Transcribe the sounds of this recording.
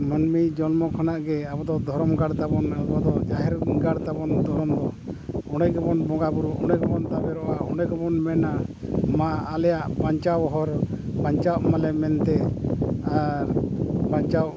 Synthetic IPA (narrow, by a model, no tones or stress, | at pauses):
mənmid͡ʒɔlmɔkʰanaʔɡɛabɔd̪ɔd̪ʱɔɾɔmɡaɽt̪abɔnabɔd̪ɔd͡ʒaɦɛɾɡaɽt̪abɔnd̪ʱɔɾɔmd̪ɔɔɽɖɛɡɔbɔnbɔ̃ŋɡabuɾuʔʔɔɳɖɛɡɔbɔnt̪abɛɾɔʔaɔɽɛɡɔbɔnmɛnamaːlɛjaʔpaɲt͡ʃawɔɦɔɾpaɲt͡ʃawʔmalɛmɛnt̪ɛ | paɲt͡ʃawʔ